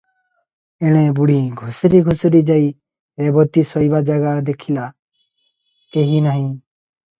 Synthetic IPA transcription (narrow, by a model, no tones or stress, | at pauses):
eɽ̃ẽbuɽ̤iɡʱʊsɾiɡʱʊsɾid͡ʒai | ɾebɔt̪isɔibad͡ʒaɡad̪ekʰila | keɦinaɦĩ